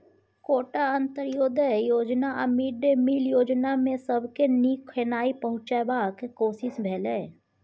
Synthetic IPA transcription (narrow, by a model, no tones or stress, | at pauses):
koːʈaə̃nt̪əɾjoːd̪əjoːd͡ʒnaəmiːɖemiːljoːd͡ʒnamẽsəbʱkeniːkʰːeːnaːipəɦʊ̃t͡ʃabaːkekoːsɪsbʱɛːleː